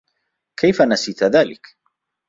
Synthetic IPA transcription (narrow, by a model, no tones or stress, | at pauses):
kʰajfanasiːt̪ðaːlɪ̰k